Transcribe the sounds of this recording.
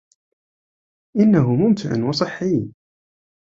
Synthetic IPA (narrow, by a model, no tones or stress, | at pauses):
ʔɪnːaɦʊmʊmt̪ʰɪʕa̰nwɑsˤɨħːiː